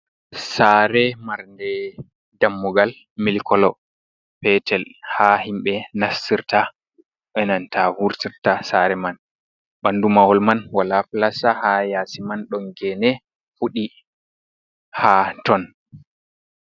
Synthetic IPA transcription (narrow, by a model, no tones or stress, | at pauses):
saɾɛmaɾndɛ | damːuɡal | milkɔlɔ | pɛtɛlhahimɓɛnasːiɾta | ɓɛnantahuɾtiɾtasaɾɛman | ɓandumawɔlmanwalaplasahajasimanɗɔnɡɛnɛ | fuɗi | hatɔn